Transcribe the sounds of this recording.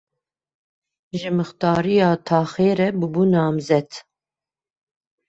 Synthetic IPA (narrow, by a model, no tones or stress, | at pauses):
ʒɨmɨxt̪ɑːɾijɑːt̪ʰɑːxeːɾɛbɨbunɑːmzɛt̪